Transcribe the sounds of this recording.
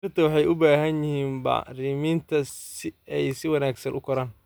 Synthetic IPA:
ɪrt̪ʰɐwɑħɑjʊbaːɦɐnjɪhiːmbɐ̰riːmiːnt̪ʰɐsɪɛjsɪwɑnaːɡsɐ̰nʔʊkʰɔɾaːn

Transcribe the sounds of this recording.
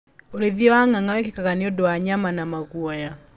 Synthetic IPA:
oɾeðiɔwaŋaŋawɛkekaɣaneodowaɲamanamaɣuɔja

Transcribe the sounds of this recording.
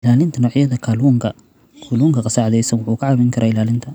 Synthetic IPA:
ɪlaːlɪnt̪ʰɐnɔːʕjɐðɐkʰɐluːŋkʰɐ | kʰuluːŋkʰɐqɐsaːʕðɛjsɐnwʊħuːkʰɐʕɑβɛŋkʰɐɾʔaːɪlaːlɪnt̪ʰɐ

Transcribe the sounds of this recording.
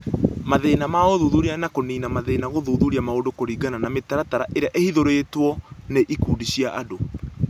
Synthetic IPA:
maðenamaoðuðuɾianakoniːnamaðeːnaɣoðuðuɾiamaodokoɾiːɡananametaɾataɾaʔeɾeaʔehiðoɾeːtwɔneʔikuːdiɕiaʔa̰do

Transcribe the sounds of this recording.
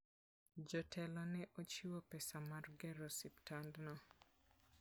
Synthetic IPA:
d͡ʒɔtɛlɔnɛʔot͡ʃiwopɛsamarɡɛɾɔsiptandnɔ

